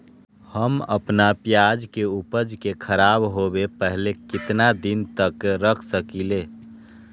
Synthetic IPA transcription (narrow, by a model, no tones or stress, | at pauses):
həmə̰pnapjad͡ʒkeupəd͡ʒkekʰəɾaːbɦobepəɦlekɪt̪nad̪ɪnt̪əkɾəkʰsəkileː